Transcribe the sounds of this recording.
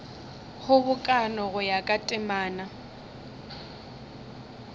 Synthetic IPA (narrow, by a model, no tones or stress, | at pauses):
hʊbʊkʼanɔɣʊjakʼatʼɪmaːna